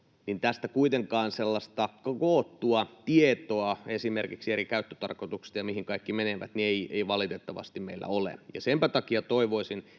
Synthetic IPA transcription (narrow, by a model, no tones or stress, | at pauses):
nint̪æst̪ækuit̪eŋkɑːnselːɑst̪ɑkɑkoːt̪ːuɑt̪iet̪oɑesimerkiksieɾikæyt̪ːø̥t̪ɑ̰rkot̪ukst̪ɑjɑmihiŋkɑikːimeneʋæ̰t̪nieieiʋɑlit̪et̪ːɑʋɑ̰st̪immḛilːæ̰olḛjɑ̰sempæt̪ɑkiɑt̪oiʋoisin